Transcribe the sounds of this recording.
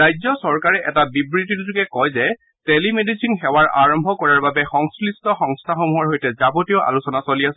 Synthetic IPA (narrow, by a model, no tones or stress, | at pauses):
ɹajzɔsɔɹkaɹɛʔɛtabibɹitittukɛkɔjzɛ | telimedisinxɛwaɹʔa̰ɹɔmbʱɔkɔɹaɹbabɛxɔŋslistʰɔxɔŋstʰaxomuɦɔɹɦojtɛzabotijɔʔa̰lusɔnasoliasɛ